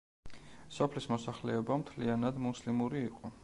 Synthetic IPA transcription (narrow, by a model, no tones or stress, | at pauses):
sɔpʰlismɔsaχlɛɛbamt̪ʰlianad̪muslimuɾiːqʼɔ